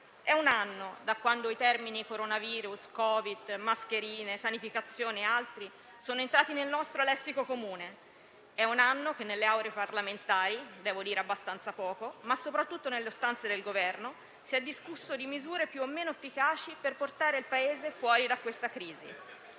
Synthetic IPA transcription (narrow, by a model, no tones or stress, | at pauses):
ɛunanːod̪akwand̪oit̪ɛrminikoɾonaviːɾuskɔːvid̪mask̟eɾiːnesanifikat̪sːjoːniealt̪ɾi | soːnoent̪ɾaːt̪inelnɔst̪ɾolɛsːikokomuːne | ɛunanːok̟enːelːeawɾeeparlament̪aːɾid̪ɛːvod̪iːɾeabːast̪ant̪sapɔːkomasːopɾat̪ːut̪ːonelːeost̪ant̪sed̪elɡovɛrno | siɛd̪ːiskusːod̪imizuːɾepjuomːeːnoefːikaːt͡ʃiperport̪aːɾeilpaeːzefwɔːɾid̪akːwest̪akɾiːzi